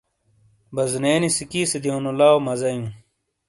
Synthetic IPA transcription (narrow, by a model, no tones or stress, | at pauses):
bɐzneːnisikiːsed̪iõnolaːomɐzɐjũ